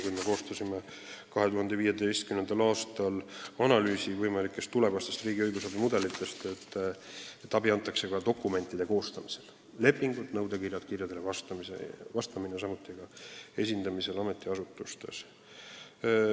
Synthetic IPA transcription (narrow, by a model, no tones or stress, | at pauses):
kujme̞ko̞ːst̪ɑsime | kɑɦe̞t̪uɦɑnd̪e̞viːje̞d̪ejst̪kymnend̪̥ɑlɑːst̪ɑlɑnɑlyːsivɤjmɑlikːˑe̞st̪ːule̞vɑst̪est̪riːɡiɤjɡusɑbimud̪e̞lit̪ːˑe̞st̪e̞t̪ːˑ | et̪ːˑɑbiɑnt̪ːˑɑkse̞kɑd̪o̞kːˑume̞nt̪ːˑid̪̥e̞ko̞ːst̪ɑmise̞l | le̞pːiŋɡud̪̥nɤwd̪e̞kirjɑt̪kirjɑd̪e̞levɑst̪ɑmḛvɑst̪ɑminesɑmut̪ːˑiɡ̥ɑe̞sʲind̪ɑmise̞lɑme̞t̪ːˑiɑsut̪ːˑust̪e̞̰s